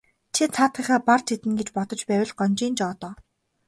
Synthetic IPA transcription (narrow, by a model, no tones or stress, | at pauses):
t͡ɕʰit͡sʰaːt̪ĭχaːpart͡ɕʰit̪ɘ̆nɡet͡ɕpɔt̪ɞ̆t͡ɕpæːwʲɘ̆ɮɢɔnʲt͡ɕiːnt͡ɕɔːt̪ɔː